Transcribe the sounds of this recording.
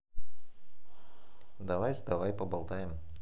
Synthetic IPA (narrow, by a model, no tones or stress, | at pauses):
d̪ɐvajzd̪ɐvajpɐbɐlˠt̪ajɪm